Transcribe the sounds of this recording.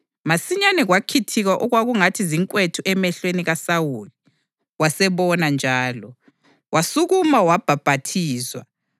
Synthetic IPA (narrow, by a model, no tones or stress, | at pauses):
masiɲanɛɣwakʰitʰiɣaʔɔɣwaɣuŋatʰiziŋkʼwetʰuʔɛmɛɬweniɣasawuːli | wasɛβɔnand͡ʒʱaːlɔ | wasuɣumawab̥ʱab̥ʱatʰiːswa̰